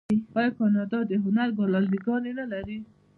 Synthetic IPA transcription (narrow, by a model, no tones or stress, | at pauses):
ihɑjɑkɑnɑd̪ɑd̪əɦʊnaɾbɑlɑldiɡɑnenalaɾi